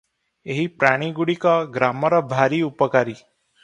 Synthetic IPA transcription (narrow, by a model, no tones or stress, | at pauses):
eɦipɾaɽ̃iɡuɽikɔɡɾamɔɾɔbʱaɾiupəkaɾi